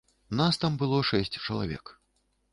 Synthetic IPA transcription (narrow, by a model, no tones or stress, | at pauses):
nast̪ambɨlˠɔʂɛsʲt͡sʲt͡ʂɐlˠa̰vʲɛ̰k